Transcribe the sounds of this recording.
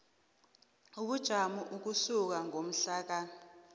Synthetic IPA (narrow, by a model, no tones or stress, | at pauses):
uɓud̥ʒ̥ʱamuʔuk̬usuk̬aŋʱom̩ɬaːk̬a